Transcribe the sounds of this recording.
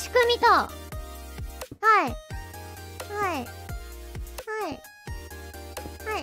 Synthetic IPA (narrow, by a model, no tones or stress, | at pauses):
ɕi̥kɯ̟mʲit̪o | hai | hai | hai | hai